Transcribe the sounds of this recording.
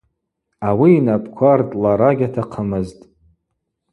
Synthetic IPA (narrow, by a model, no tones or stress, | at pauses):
awiːnapʼkʷʰartʼlaɾaɡʲatʰaqʰəmɨztʼ